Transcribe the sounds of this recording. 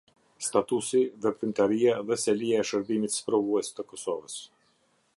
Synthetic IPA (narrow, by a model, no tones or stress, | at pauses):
st̪at̪usiðɛpɾymt̪aɾijaðɛsɛlijaɛʃəɾbimit̪spɾɔvuɛst̪əkɔsɔvəs